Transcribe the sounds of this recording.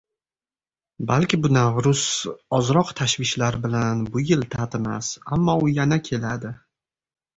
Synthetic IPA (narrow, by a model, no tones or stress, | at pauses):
balkʲɪbʊnavɾʊsɒzɾɒqt̪ʰaʃvɪʃlaɾbɪlanbʊjɪlt̪ʰat̪ema̰samːɒʊjanakʲʰe̞lad̪ɪ